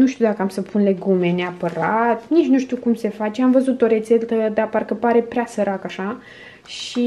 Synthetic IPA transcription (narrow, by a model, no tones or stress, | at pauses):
nuʃt̪iud̪akəamsəpʰunle̞ɡume̞neapəɾat̪nit͡ʃnuʃt̪ukumse̞fat͡ʃe̞amvəzut̪o̞ɾe̞t̪se̞t̪əd̪aparkəpaɾe̞pɾeasəɾakaʃa | ʃi